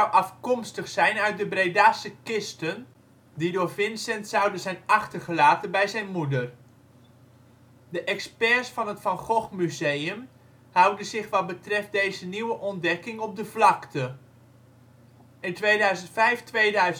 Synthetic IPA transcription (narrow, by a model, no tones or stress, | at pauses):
wʔɑfkɔmstəχsɛjnœɥt̚dəbrejdaːsəkɪstən | didʊːɹvɪnsɛntsawdəzɛjnɑχtərχəlaːtənbɛjzɛjnmudər | dəʔɛkspɛsfɑnɦətfɑnχɔχmyzejəm | hawdəzɪχʋɑt̚bətrɛft̚dejzəniwəʔɔndɛkɪŋɔp̚dəvlɑktʰə | ɪntʋeːdœɥzəntfɛjftʋejdœɥz